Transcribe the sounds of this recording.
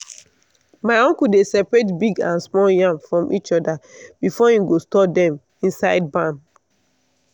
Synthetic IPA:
maɪɔ̃ŋkudesɛpɹetbiɡãnsmɔljãŋfɹɔ̃mʔit͡ʃɔdab̥ifɔĩmɡostɔpdɛ̃m | ĩnsaɪd̚bãm

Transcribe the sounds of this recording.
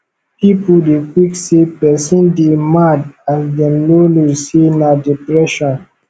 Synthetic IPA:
pipudekwiksepɛsĩndemadasdɛ̃mlolusenadipɹɛʃɔ̃n

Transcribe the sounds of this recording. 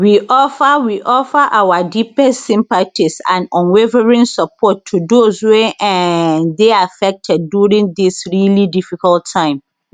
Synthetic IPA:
wiʔɔfawiʔɔfaʔawadipɛstsĩmpatisã̰nɔ̃nwevəɹĩnsɔpʰɔtʰːudoswe | deafɛk̚tʰɛd̚ːjuɹĩŋdisɹilidifikɔltʰːãɪ̃m

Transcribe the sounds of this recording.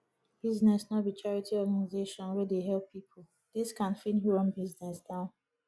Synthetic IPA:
b̥iznɛsnɔbit͡ʃaɹitiɔɡanizeʃɔ̃nwɛdeɦɛlpʰːipʰo | d̥̪iskãnfĩnɦɹɔ̃nbiznɛsdãʊ̃n

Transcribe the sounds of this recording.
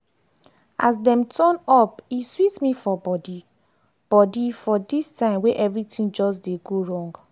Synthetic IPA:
a̰sdɛ̃mtʰɔnɔpiswitmĩfɔbɔdi | b̥ɔdifɔdistãɪ̃mweʔɛvɹitĩnd͡ʒɔsdeɡoɹɔ̃ŋɡ

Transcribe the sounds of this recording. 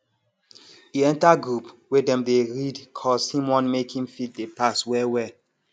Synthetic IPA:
iɛ̃ntaɡɹupwedɛ̃mdeɹidkʰɔzhĩmwɔ̃nmekĩmfit̚depaswɛwɛ

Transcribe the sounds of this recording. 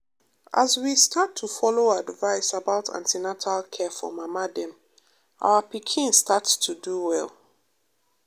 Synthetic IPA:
ʔazwistʰatʰːufɔloadvaɪsabaʊtʰã̰ntinatʰalkʰɛfɔ̰mamadɛ̃m | ʔa̰ʊəpikʰĩnstʰatstʰuduwɛl

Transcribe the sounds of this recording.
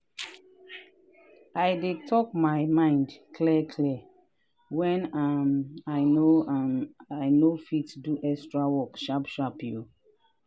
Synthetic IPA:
ajdetʰɔk̚maɪmãɪ̃ndkʰlɛkʰlɛ | wɛ̃namaɪnoamajnofitduʔɛstɹawɔkʃapʃapju

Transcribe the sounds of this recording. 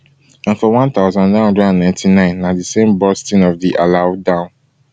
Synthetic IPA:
ãnfɔwãnt̪aʊzãnnãɪ̃hɔ̃ndɹɛdãnnãɪ̃ntʰinãɪ̃nːadisẽmbɔstĩnɔvdiʔaladãʊ̃n

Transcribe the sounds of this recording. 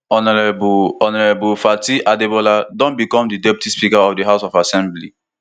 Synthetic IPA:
ɔnɔɹbɔnɔɹebulfatiʔadebɔladɔ̃nbikɔ̃mdidɛpi̥tʰispikaɔfdiɦaʊsɔfasɛ̃mbli

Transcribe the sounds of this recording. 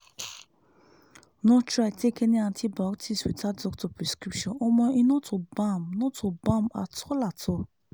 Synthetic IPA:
nɔ̃tɾatekɛ̃nĩãtʰibaktʰiswitʰadɔk̚tɔpɾɛskɾipʃɔ̃nɔmɔ̃inõtobãmnɔ̃tʰobãma̰tʰɔlatʰɔ

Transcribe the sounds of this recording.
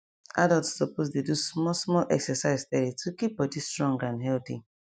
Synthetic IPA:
adaltsːɔposdedusmɔsmɔlʔɛksɛsaɪztɛɾitʰukip̚bɔd͡ʒistɹɔ̃ŋɡãnɦɛlθḭ

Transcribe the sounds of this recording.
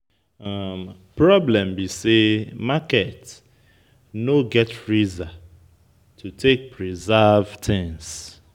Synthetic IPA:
am | pɹɔblɛ̃mbisemakɛt | noɡɛtfɹiza | tʰutʰek̚pʰɹizavtʰɛ̃ŋs

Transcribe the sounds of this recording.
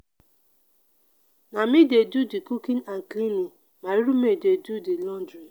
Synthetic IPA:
namidedudikukinaŋ̩klini | maɾiɾumededudilɔndɾi

